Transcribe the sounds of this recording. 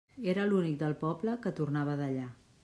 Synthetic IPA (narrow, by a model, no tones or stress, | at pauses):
eɾəlunik̚d̪əlˠpɔbləkət̪urnaβəðəʎa